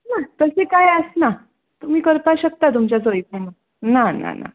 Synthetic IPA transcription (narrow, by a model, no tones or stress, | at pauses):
nat̪əsekajəsna | t̪um̤iːkəɾpaɕək̚t̪at̪̬umt͡ɕjat͡sojit̪ana | nana̰na̰